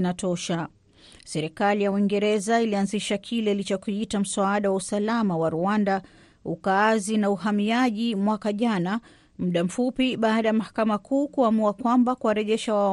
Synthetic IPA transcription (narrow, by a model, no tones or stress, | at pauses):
natɔʃa | sɛɾikalijauwiŋɡɛɾɛzailianziʃakʰilɛlit͡ʃɔkuitam̩saaɗawausalamawaɾuanda | ukaːzinauhamiaʄimwakaʄana | m̩ɗam̩fupiɓaːɗajamahḁkamakuːkuamuakwambakuwaɾɛʄɛʃawa